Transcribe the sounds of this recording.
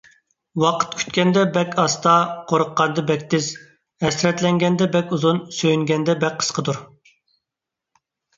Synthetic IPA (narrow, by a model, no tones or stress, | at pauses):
wɑqʰə̥t̪kʲʰy̥t̪̚kʲɛnd̪ɛbɛkʲʰɑst̪ɑqʰoɾəqːɑnd̪ɨbɛk̚ʲt̪ɪz̥ | ɛsɾɛt̪lɛŋɡʲɛnd̪ɛbɛkʲuzunsøjyŋɡʲɛnd̪ɛbɛk̚ʲqʰːə̥sqʰəd̪uɾ